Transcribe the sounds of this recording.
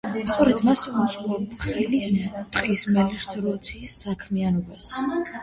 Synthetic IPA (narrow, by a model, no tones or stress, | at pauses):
st̪sʼɔɾɛd̪masut̪sʼqʼɔvɛbulˠχɛlist̪ʼqʼismɛliɾt̪ʰɾɔat̪sʰiːsːakʰmianɔbas